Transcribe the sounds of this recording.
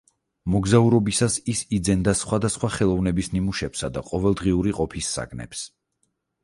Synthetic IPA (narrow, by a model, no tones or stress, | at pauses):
mɔɡzauɾɔbisasisid̪zɛnd̪asχwad̪asχwaχɛlˠɔvnɛbisnimuʃɛpsad̪aqʼɔvɛlˠd̪ʁiuɾiqʼɔpʰisːa̰ɡnɛ̰ps